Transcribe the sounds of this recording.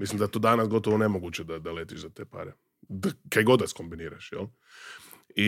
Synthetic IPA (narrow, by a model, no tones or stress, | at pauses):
mislimd̪at̪oːd̪anasɡo̞t̪oʋone̞moɡuːt͡ɕed̪ad̪aleːt̪iʒzat̪eːpa̰ɾe | d̪akajɡo̞d̪nasko̞mbiniːɾaʃjɛ̰l | i